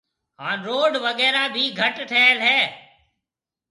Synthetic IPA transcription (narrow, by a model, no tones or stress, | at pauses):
ɦãːnɾoːɖʋəɠɛːɾaːbʱiːɡʱəʈʈʰeːelɦɛː